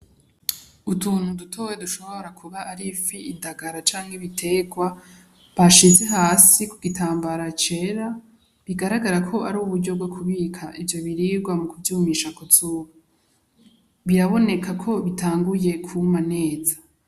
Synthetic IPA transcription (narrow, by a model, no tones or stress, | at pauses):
utuːn̥hudutʰowe̞duʃo̞βo̞ɾakʰuβaʔːɾifiːdaɡaɾat͡ʃaːŋɡiβitʰe̞ɡwa | βaʃize̞ɦaːsikuɡitʰaːmbaɾat͡ʃe̞ːɾa | βiɡaɾaɡaɾakʰo̞ʔaɾuːβuɾɟo̞bɡo̞kʰuβiːkʰaʔivjo̞βiɾiːɾɡwamukuvjuːmiːʃakozuːβa | βiɾaβo̞ne̞kʰakʰo̞βitaːŋɡuje̞kʰumane̞ːzḁ